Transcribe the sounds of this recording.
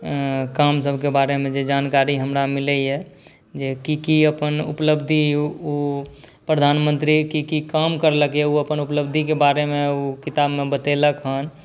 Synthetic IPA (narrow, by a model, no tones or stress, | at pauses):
kamsəbʱkebaɾemẽd͡ʒed͡ʒankaɾiɦəmɾamiləjɛ | d͡ʒekikiəpənṵpləbd̪ʱiu | pɾəd̪ʱanmə̃nt̪ɾikikikamkəɾləkjɛuəpənupləbd̪ʱikebaɾemeukit̪abmebət̪eləkɦən